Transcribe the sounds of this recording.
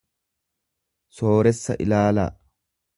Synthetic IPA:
so̞ːɾɛsːɐ̰ʔɪ̰laːla̰ː

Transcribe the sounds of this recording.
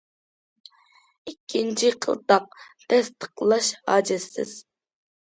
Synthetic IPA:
ikʲʰːint͡ʃʰiqʰə̰lˠt̪ɑq̚ | t̪ʰɛst̪ʰə̥qlˠɑʃhɑ̰ːd͡ʒɪsːɪ̰z̥

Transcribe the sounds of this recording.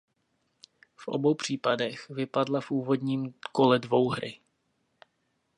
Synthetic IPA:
fʔo̞̰bo̞wpr̝̥iːpadɛxvɪpadlafʔuːvo̞dɲiːmko̞lɛdvo̞wɦɾɪ

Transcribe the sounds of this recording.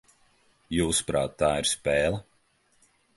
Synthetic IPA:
juːspɾa̰ːt̪ːaːiɾspɛːlˠə

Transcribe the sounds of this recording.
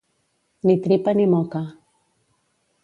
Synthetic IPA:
nit̪ɾipanimɔka

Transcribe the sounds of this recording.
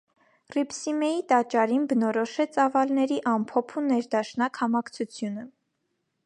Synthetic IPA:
ripsimɛjit̪ɑt͡ʃɑɾinbənɔɾɔʃɛt͡sɑvɑlnɛɾiʔɑmpʰɔpʰunɛɾd̪ɑʃnɑkhɑmɑkt͡sʰut͡sʰjunə

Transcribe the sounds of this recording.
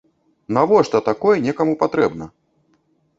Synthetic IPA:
navɔʂt̪ɐt̪akɔjɛnʲɛkɐmupat̪ɾɛbnɐ

